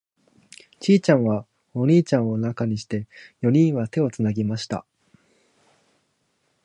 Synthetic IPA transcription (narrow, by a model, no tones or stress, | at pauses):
t͡ɕiːt͡ɕãɰ̃βa | o̞ɲ̟iːt͡ɕãɰ̃o̞nakaɲ̟iɕi̥t̪e̞jo̞ɲ̟ĩɰ̃βat̪e̞o̞t͡sɨnaɡʲimaɕi̥t̪a̰